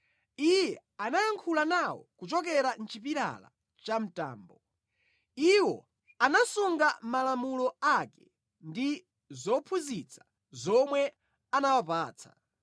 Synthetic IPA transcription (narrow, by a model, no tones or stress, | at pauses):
ijɛ | anajaŋkʰulanawɔ̰kut͡ʃɔk̬ɛɾan̩t͡ʃipiɾa̰la̰ | t͡ʃam̩ta̰ːmbɔ | iwɔ̰ | anasuŋɡamalamulɔakɛ | ndi | zɔpʰuzit͡sʰḁ | zɔmwɛ | anawapaːt͡sʰḁ̰